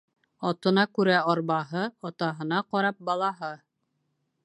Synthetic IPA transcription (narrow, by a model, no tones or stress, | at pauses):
ɑt̪ɤ̆nɑkʉɾæɑɾβɑɦɤɑt̪ɑɦɤ̆nɑqɑɾɑp̚bɑlˠɑɦɤ